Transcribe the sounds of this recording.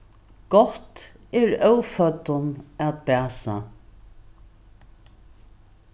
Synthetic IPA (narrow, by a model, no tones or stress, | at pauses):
ɡ̥ɔht̪ɛɹœwfœt̪ʊnatbæːsa